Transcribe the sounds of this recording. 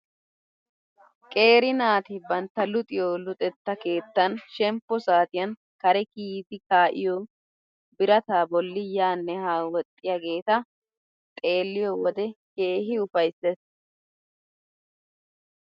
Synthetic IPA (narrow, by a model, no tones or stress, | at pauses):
kʼe̞ːɾɪnaːt̪ɪbɐnt̪ːɐlʊt̪ʼɪjoːlʊt̪ʼɛt̪ːɐke̞ːt̪ːɐnʃɛmpːɔsaːt̪ɪjɐn | kɐɾɛkiːd̪ɪkaːʔɪ̰joː | bɪɾɐt̪aːbɔlːɪjaːnːɛhaːwɔt̪ʼːɪjɐɡe̞ːt̪ɐ | t̪ʼe̞ːlːɪjɔwɔd̪ɛke̞ːɦɪʊfɐjsːɛs